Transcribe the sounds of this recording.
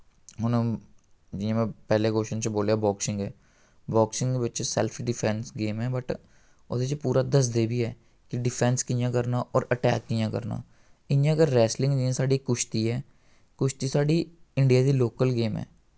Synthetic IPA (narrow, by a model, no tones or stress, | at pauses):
ɦʊnõ | d͡ʒɪãːmɛ̃ːpɛːlekoːʃənt͡ʃboːljaːbɔːksɪ̃ŋɡɛː | bɔːksɪ̃ŋɡebətːʃesɛ̰lpʰɖɪpʰɛːnsɡeːmɦɛːbəʈ | ʊd̪et͡ʃepuːɾaːd̪əs̬d̪eːbʱiːɦɛː | kɪɖɪpʰɛ̃ːnskiːjãːkəɾnaːʔɔːɾəʈɛːkːiːjãːkə̰ɾna̰ː | ɪnjãkəɾːɛːslɪ̃ŋɡd͡ʒiãsaːɖikːʊʃt̪iːɦɛː | kʊʃt̪iːsaːɖiːɪ̃ɳɖijaːd̪iːloːkəlɡeːmɦɛ̰ː